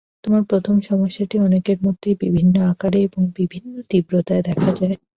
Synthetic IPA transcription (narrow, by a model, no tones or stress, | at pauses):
t̪omaɾpɾot̪ʰomʃɔmoʃːaʈiɔnekeɾmod̪ʱːebibʱinːoakaɽeeboŋbibʱinːot̪ibɾot̪aed̪ɛkʰad͡ʑae